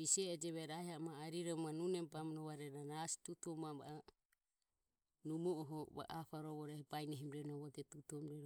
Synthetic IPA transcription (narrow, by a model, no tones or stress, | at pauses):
isɛːd͡ʒɛβɛɾahiamaːɾiɾɔmanunɛmbamnɔβaɾɛnanasi̥t̪ut̪uɔmaba̰ | numuɔɦɔβa̰ʔapaɾɔβɔɾɛhɔbajnɛɦimɾɛnɔβɔt̪ɛt̪ut̪uɔmɾɛɾ